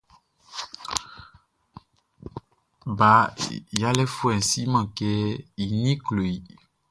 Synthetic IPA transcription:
ba˨ja˦lɛ˦fu˦ɛ˨n˨si˦mã˨kɛ˦i˨nĩ˦klo˨i˨

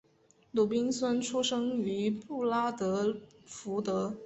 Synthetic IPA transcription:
lu˨˩pi˥ŋswa˥nʈ͡ʂʰu˥ʂɤ˥ŋy˧˥pu˥˩la˥t̪ɤ˧˥fu˧˥t̪ɤ˧˥

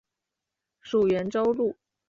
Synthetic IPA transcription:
ʂu˨˩ɥɛ˧˥nʈ͡ʂo˥ʊlu˥˩

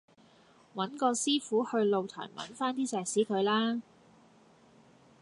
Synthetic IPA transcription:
wɐ˨˥nkɔː˧siː˥fuː˨˥hɵ˧ɥlo˨˧wt̪ʰœ̰ː˨˩jmɐ̰˨˥nfaː˥nt̪iː˥t͡sɛː˨˩k̚siː˨˥kʰɵ˨˧ɥlaː˥

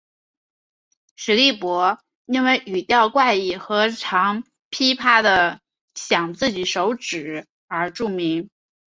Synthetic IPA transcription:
ʂɻ̩˧˥li˥˩pwɔ˧˥ | i˥˧ŋwe˧˥ɪʔy˨˩t̪jɑ˥˧ʊkwa˥˩ɪi˨˩xɤ˧˥ʈ͡ʂʰɑ˧˥ŋ | pʰi˥pʰa˥d̪ə˨ | ɕjɑ˨˩ŋt͡sɹ̩˥˩t͡ɕi˨˩ʂo˧˥ʊʈ͡ʂɻ̩˨˩˦ | ə˞˧˥ʈ͡ʂu˥˩mi˧˥ŋ

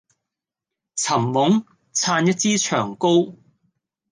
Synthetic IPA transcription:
t͡sʰɐ˨˩mːʊ˨˥ŋ | t͡sʰaː˧njɐ˥t̚t͡siː˥t͡ʃʰœ̰ː˨˩ŋko˥w

